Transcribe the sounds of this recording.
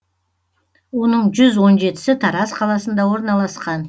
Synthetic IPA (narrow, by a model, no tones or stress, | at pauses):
wo̞nəɴʒʏzwo̞nʒe̞t̪ɪ̥sɪt̪ʰɑɾɑsqʰɑlˠɑsənd̪ɑwo̞ɾnɑlˠɑsqɑn